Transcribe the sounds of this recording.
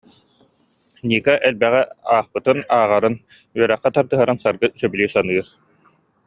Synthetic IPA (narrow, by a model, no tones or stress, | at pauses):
nʲiːkɛʔɛlbɛʁɛaːχpɯt̪ɯnaːʁaɾɯn | yœɾɛχːɛt̪aɾd̪ɯɦaɾansaɾɡɯsœbylʲiːsanɯːɾ